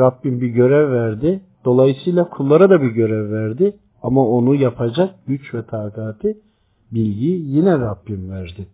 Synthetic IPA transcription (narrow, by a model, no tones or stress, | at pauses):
ɾabːimbiɟø̞ɾɛvːæɾd̪ɪd̪̥o̞lˠajɯsɯjlˠakʰulˠːaɾad̪abiɟø̞ɾɛvːæɾd̪ɪ | amao̞nujapʰad͡ʒak̚ɟ̥yt͡ʃvɛt̪ʰaːkʰaːt̪ʰi | bilʲɟijinɛɾabːimvæɾd̪ɪ